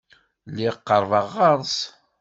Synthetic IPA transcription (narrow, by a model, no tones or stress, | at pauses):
lːiqːəɾˤvɑʁːɑɾˤs